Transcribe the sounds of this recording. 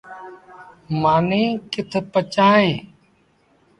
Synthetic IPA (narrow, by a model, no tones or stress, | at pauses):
maːnẽːkɪt̪ʰpət͡ʃaːẽː